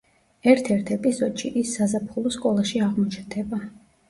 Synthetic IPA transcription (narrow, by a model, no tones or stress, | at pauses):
ɛɾt̪ʰɛɾt̪ʰɛpʼizɔd̪ʃiʔisːazapʰχulˠɔskʼɔlˠaʃiaʁmɔt͡ʃʰnd̪ɛba